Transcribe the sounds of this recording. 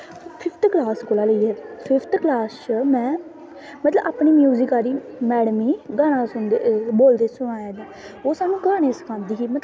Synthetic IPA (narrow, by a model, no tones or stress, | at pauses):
pʰɪpʰt̪klaːskolaːləiːɛːpʰɪpʰt̪klaːst͡ʃmɛ̃ː | mət̪ləbaːpniːmjuːzɪkaːɾiːmɛːɽmiːɡaːñãːsʊnd̪boːld̪eːsʊɽ̃aːeːd̪aː | oːsaːnũːɡaːñeːsə̥kʰãːnd̪iːkiːmət̪